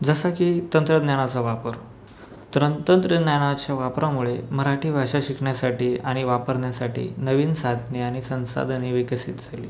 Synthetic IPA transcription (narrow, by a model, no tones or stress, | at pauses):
d͡zəsakiːt̪ənt̪ɾəd̪njaɽ̃at͡saʋapəɾ | t̪ɾət̪ənt̪ɾəd̪njaɽ̃at͡ɕjaʋapɾamuɭeməɾaʈiːʋʱaɕaɕikɳjasaʈiːaɽ̃iʋapəɾnjasaʈḭːnəʋiːnsad̪niaɽ̃isə̃w̃sa̰d̪niʋikəsit̪̚d͡zʱalḭː